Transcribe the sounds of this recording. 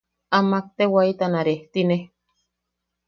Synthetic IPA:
amak̚t̪ewait̪anaɾeht̪ine

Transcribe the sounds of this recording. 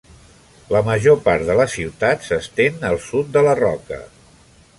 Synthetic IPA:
ləməʒopaɾt̪ðələsiwt̪at̪səst̪enəlˠsut̪̚d̪ələrɔkə̰

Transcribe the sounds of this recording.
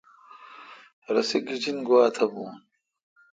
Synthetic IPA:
ɾɐsiɡid͡ʑinɡuwaːt̪ʰɐbũːn

